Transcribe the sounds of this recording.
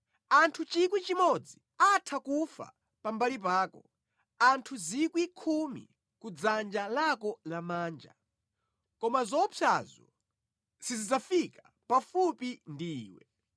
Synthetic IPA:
antʰut͡ʃikwit͡ʃimɔd͡zi | atʰakufa̰ | pambalip̬aːkɔ | antʰuzikwikʰumḭ | kud͡zand͡ʒalakɔlamaːnd͡ʒa̰ | kɔmazɔpʰazɔ̰ | sizid͡zafika | pafupindḭːwɛ̰

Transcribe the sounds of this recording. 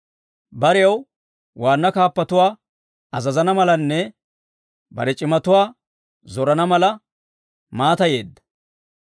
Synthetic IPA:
bɐɾɛjɐw | waːnːɐkaːpːɐt̪ʊwaː | ɐzɐzɐnɐmɐlɐnːɛ | bɐ̰ɾɛt͡ʃʼɪmɐt̪ʊwaː | zɔɾɐnɐmɐlɐ | maːt̪ɐje̞ːd̪ːɐ̥

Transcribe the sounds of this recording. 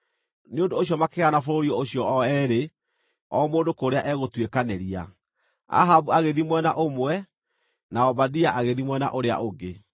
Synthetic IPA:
neondoːɕiɔmakeɣanafoɾoɾiɔoɕjɔɔɛɾe | ɔmoːndokoɾeaʔɛɣotwekaneɾia̰ | a̰ɦabuaɣeðimwɛnaʔomwɛ | naɔbadiaʔaɣeðimwɛna̰ʔoɾea̰ʔoɡe

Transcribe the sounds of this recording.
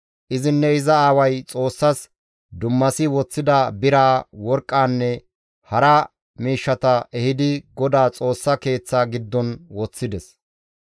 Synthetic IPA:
ʔɪzɪnːɛɪzɐaːwɐjt͡sʼo̞ːsːɐs | d̪ʊmːɐsɪwɔt͡sːɪd̪ɐbɪɾaːwɔɾkʼːaːnːɛ | hɐɾɐ | miːʃːɐt̪ɐɛhɪd̪ɪɡɔd̪aːt͡sʼo̞ːsːɐke̞ːt͡sːaːɡɪd̪ːɔnwɔt͡sːɪd̪ɛs

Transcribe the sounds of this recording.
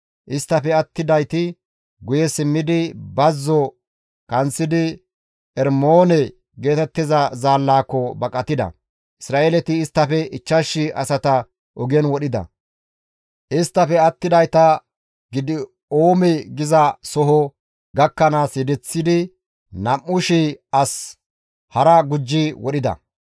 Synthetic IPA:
ʔɪst̪ːɐfɛɐt̪ːɪd̪ɐjt̪ɪ | ɡʊjɛsɪmːɪd̪ɪbɐzːɔ | kɐnt͡sːɪd̪ɪ | ɛɾmoːnɛ | ɡe̞ːt̪ɛt̪ːɪzɐzaːlːaːkːɔbɐkʼɐt̪ɪd̪ɐ̰ | ʔɪsɾaːeːlɛt̪ɪːst̪ːɐfɛɪt͡ʃːɐʃːɪɐ̰sɐt̪ɐ | ʔɔɡɛnwɔɗɪd̪ɐ̰ | ʔɪst̪ːɐfɛɐt̪ːɪd̪ɐjt̪ɐ | ɡɪd̪ɪ | oːmɛɡɪzɐsɔɦɔ | ɡɐkːɐnaːsɛd̪ɛt͡sːɪd̪ɪ | nɐmːʊʃɪɐs | hɐɾɐɡʊd͡ʒːɪwɔɗɪd̪ɐ̰

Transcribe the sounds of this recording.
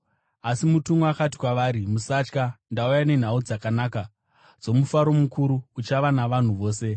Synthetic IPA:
asimutumuakati̥kwaʋaːɾimusat͡ʃkandaujane̞n̤aud͡zakanaːka | d͡zo̞mufaɾo̞mukuɾuut͡ʃaʋanaʋan̤uʋo̞ːse̞

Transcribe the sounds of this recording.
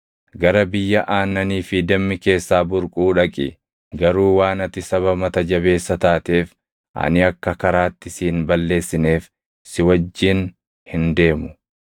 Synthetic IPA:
ɡɐɾɐbɪjːɐʔaːnːɐniːfɪd̪ɐmːɪke̞ːsːaːbʊɾkʼuːᶑɐkʼɪ | ɡɐɾuːwaːnɐt̪ɪsɐβɐmɐt̪ɐd͡ʒɐβe̞ːsːɐt̪aːt̪eːf | ʔɐ̰nɪɐkːɐkɐɾaːt̪ːɪsiːnbɐlːe̞ːsːɪne̞ːf | sɪwɐd͡ʒːɪn | hɪnd̪e̞ːmʊ̥

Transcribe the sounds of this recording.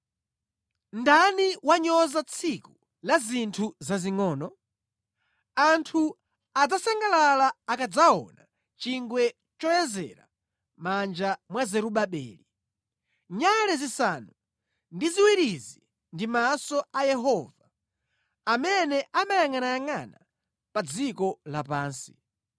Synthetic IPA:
ndaniwaɲɔzat͡sʰiku | lazintʰuzaziŋɔːnɔ | antʰu | ad͡zasaŋɡalalaːkad͡zaɔ̰na | t͡ʃiŋɡwɛ | t͡ʃɔjɛzɛ̰ɾa̰ | mand͡ʒamwazɛɾuɓaɓɛ̰ːli | ɲalɛzisanu | ndiziwiɾizi | ndimasɔʔajɛɦɔːva | amɛnɛʔamajaŋanajaŋana | pad͡zikɔlapaːnsi̥

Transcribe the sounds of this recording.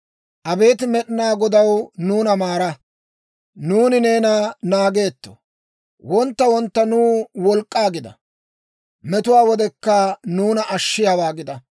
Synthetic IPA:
ʔɐbe̞ːt̪ɪmɛɗɪnaːɡɔd̪ɐwnuːnɐmaːɾɐ | nuːnɪne̞ːnanaːɡe̞ːt̪ːo̥̰ | wɔnt̪ːɐwɔnt̪ːɐnuːwɔlkʼːaːɡɪd̪ɐ̰ | mɛt̪ʊwaːwɔd̪ɛkːɐnuːnɐʔɐʃːɪjawaːɡɪd̪ɐ

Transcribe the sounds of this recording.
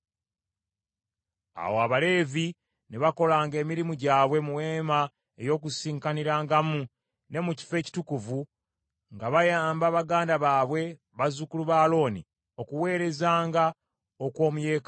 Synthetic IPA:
a̰woaβale̞ːvi | neβako̞laːŋɡe̞ːmiɾimuɟaːβwe̞muwe̞ːma | ejo̞ːk̬usiːŋkaniɾaːŋɡamu | ne̞muci̥fe̞ːci̥tukuvu | ŋɡaβajaːmbaːβaɡaːndaβaːβwe̞ | βazukuluβaːlo̞ːnḭ | o̞kuwe̞ːɾe̞zaːŋɡa | o̞kwo̞ːmuje̞ːka

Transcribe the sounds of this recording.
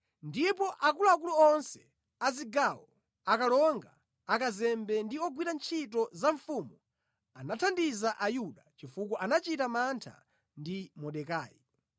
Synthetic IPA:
ndipɔʔakuluak̬uluɔnsɛ̥ | aziɡawɔ | akalɔŋɡaː | kazɛmbɛndiɔɡwiɾant͡ʃʰitɔzaɱfumu | anatʰandizaʔajuɗat͡ʃifukɔʔanat͡ʃitamantʰa̰ | ndimɔɗɛkaːji

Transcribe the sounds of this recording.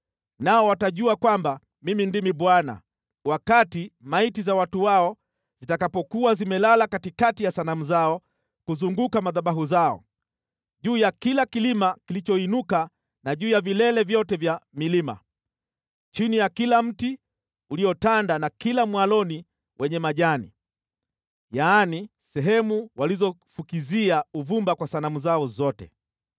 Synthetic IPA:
naɔwataʄuakwamba | mimindimiɓwana̰ | wakatimaitizawatuwaɔ | z̥itakapɔkuwazimɛlalakatikatijasanamuzaɔ | kuzuŋɡukamaðaɓaɦuzaɔ̰ | ʄuːjakilakilimakilit͡ʃɔinuka | naʄuːjavilɛlɛvjɔtɛvjamilima̰ | t͡ʃinijakilam̩ti | uliɔtandanakilamwalɔni | wʔɛɲɛmaʄanḭ | jaːni | sɛɦɛmuwalizɔfukiziauvumbakwasanamuzaɔzɔtɛ̰

